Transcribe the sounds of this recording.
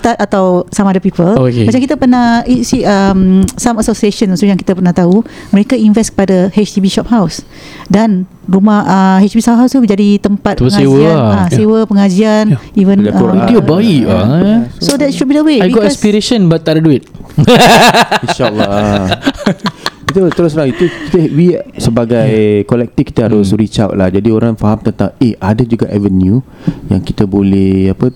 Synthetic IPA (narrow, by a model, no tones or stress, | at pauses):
t̪at̪at̪awsamadəpipəlokemat͡ʃamkit̪apərnahisiəmsaməsosieʃənsojãŋkit̪apərnaht̪auməɾekainvɛstkə̥padəhet͡ʃt̪ibiʃɔp̚haws | dan | rumahəɦet͡ʃt̪ibisawɦawst̪ud͡ʒadit̪əmpat̪̚əŋsased͡ʒwəaãsewəpəŋad͡ʒianivənd͡ʒaoidiəbaiʔ | sodɛtʃud̚bidəweajbɡɔtɛspiɾeʃə̃nbat̚t̪aʔdaduɪt̪̚ | inʃalːa | kit̪ət̪əɾʊsɾaŋit̪uki̥t̪əwisəbaɡajkolɛk̚t̪ifki̥t̪əɦaɾʊsɾit͡ʃawʔ̚lahd͡ʒadioɾaŋfaɦamt̪ənt̪aŋehadad͡ʒuɡaʔɛvənju | ja̰ŋkit̪əbolɛhapə